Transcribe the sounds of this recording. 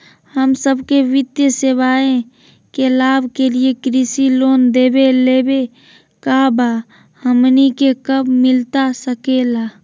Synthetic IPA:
həmsəbkeʋɪd̪jəseʋaːẽ | kelaːbʱkeliekɾisiloːnd̪eːbeleːbe | kaba | həmnikekəbmɪlt̪asəkelaː

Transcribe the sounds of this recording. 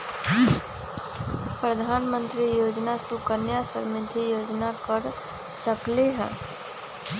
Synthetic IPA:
pɾəd̪ʱaːnmə̃nt̪ɾijoːd͡ʒnasukənjasə̰ɾmɪt̪ʰijoːd͡ʒnakəɾ | səkleɦɛ̰̃ː

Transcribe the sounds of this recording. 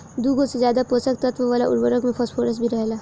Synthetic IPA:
d̪uɡosezjaːd̪apoːsək̚t̪ɐt̪ʋəʋaːlaʔʊ̰ɾbəɾəkmẽpʰɔsʈfʰoːɾəsbʱiɾɐɦelaː

